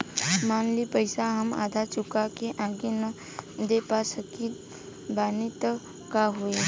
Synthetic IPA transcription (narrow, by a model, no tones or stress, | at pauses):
maːnlipəɪsaɦəma̰ːd̪ʱat͡ʃʊkakeʔaɡenə | d̪epasəkit̪ | baːnit̪ | kaɦue